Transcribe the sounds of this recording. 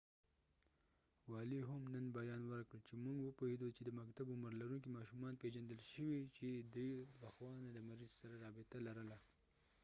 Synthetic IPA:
wɑliɦamnənbajɑnwəɾkɽəlt͡ʃemuŋɡwəpohed̪ot͡ʃed̪əmakt̪abʊməɾlaɾunkimɑʃumɑnped͡ʒand̪əlʃəwit͡ʃed̪ujlaxwɑnad̪əmaɾizsaɾaɾɑbɪt̪alaɾəla

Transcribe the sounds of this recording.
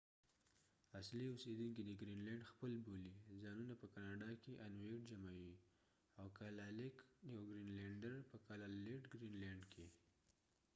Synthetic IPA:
asliused̪unkid̪əɡɾinlaɳɖxpəlbolizɑnunapəkɑnɑɖɑkeʔanweɖd͡ʒamawi | awkalalɪknjawɡɾinleɳɖaɾpəkalaleʈɡɾinlɛɳɖkʰe

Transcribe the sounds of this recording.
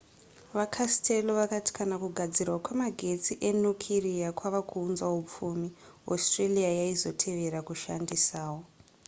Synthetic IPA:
ʋakʰastʰeloʋakati̥kanakuɡʱad͡zirwakwemaɡʱe̞t͡siʔe̞nukʰirijakwaʋakʰuːnzaup͡fuːmio̰streliajaizo̞tʰe̞ʋe̞ɾakuʃandisaːwo

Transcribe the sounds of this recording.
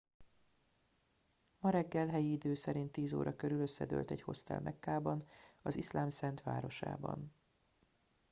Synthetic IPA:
mɒɾɛɡːɛlɦɛjiid̪øːsɛɾint̪ːiːzo̰ːɾʔɒkøɾyløsːɛd̪ø̰ːlt̪ɛɟho̞̰st̪ɛ̰lmʔɛkːaːbɒnɒzislaːmsɛnt̪ʋa̰ːɾo̞ʃa̰ːbɒ̰n

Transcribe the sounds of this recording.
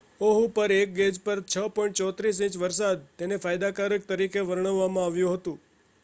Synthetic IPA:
oɦupəɾek̚ɡed͡ʒpəɾt͡ʃʰəpɔ̃ĩɳʈ̚t͡ʃɔt̪ɾis̬ĩt͡ʃʋəɾsad̪̚t̪enefajd̪akaɾək̚t̪əɾikeʋəɾɳəʋːamãaʋjũɦət̪ũ

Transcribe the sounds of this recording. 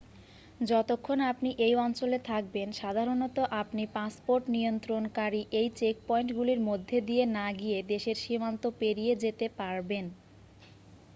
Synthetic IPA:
d͡ʑɔt̪okʰːonapniʔejɔnt͡ɕolet̪ʰak̚benʃad̪ʱaɾonɔt̪oʔapnipaspoɾʈniont̪ɾonkaɾiʔejt͡ɕek̚pɔeɳʈɡuliɾmod̪ʱːed̪ienaɡijed̪eʃeɾʃimant̪opeɾijed͡ʑet̪epaɾben

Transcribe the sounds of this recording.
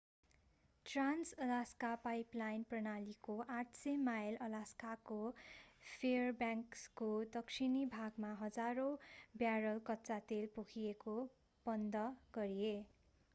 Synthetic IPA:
ʈransʌlaskapajplajnprʌnalikoʔaʈʰsemajlʌlaskako | pʰerbjaŋkskod̪ʌksʰinibʱaɡmaɦʌd͡zaɾobjaɾʌlkʌtːt͡sat̪elpukʰieko | b̥ʌnd̪ʌɡ̥ʌɾie

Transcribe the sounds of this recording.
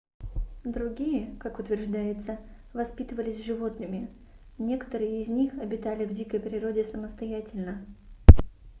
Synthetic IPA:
d̪ɾʊɡʲijəkakʊt̪vʲɪrʐd̪ajɪt̪sə | vɐspʲit̪əvəlʲɪsʲʐɨvo̞t̪nɨmʲɪ | nʲe̞kə̥t̪əɾɨjəɪzʲnʲixɐbʲɪt̪alʲɪvdʲikəjpɾʲɪɾo̞dʲɪsəməst̪ɐjætʲɪlʲnə

